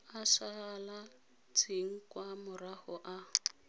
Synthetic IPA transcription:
aʃala | t͡sʰiŋ̩kwamʊrahʊʔa

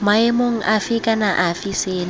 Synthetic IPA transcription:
maemoŋ̩ʔafikʼanaʔafiseːni

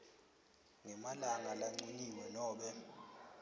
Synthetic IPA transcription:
ŋɛmalaŋalaŋ͡ǀuniwɛnɔːɓɛ

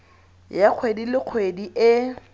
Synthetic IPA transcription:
jaq͡χʰwedilɪq͡χʰwediʔɪ

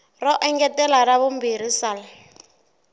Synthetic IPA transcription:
rɔʔɛŋɡɛtʼɛlaɾaβʊm̩biɾisaːla

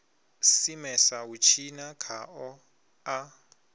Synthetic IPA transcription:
simɛsaut͡ʃʰinakʰaɔ | a

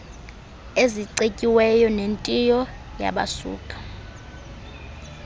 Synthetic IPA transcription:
eziǀecʼiwɛjɔnentʼijɔ | ja̰ɓa̰sṵːkʼḁ

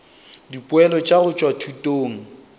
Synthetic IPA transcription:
dipʼwɛlɔt͡ʃʼaɣʊt͡ʃʼwatʰutʼoːŋ̩

